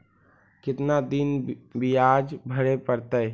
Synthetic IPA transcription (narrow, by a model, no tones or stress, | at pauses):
kɪt̪nad̪inbijad͡ʒbʱəɾepəɾt̪əj